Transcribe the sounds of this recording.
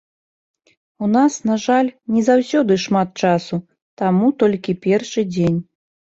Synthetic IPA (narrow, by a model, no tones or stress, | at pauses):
unasnaʐalʲnʲɛzawsʲɔd̪ɨʂmat̪̚t͡ʂasu | t̪amut̪ɔlʲkʲipʲɛrʂɨd͡zʲenʲ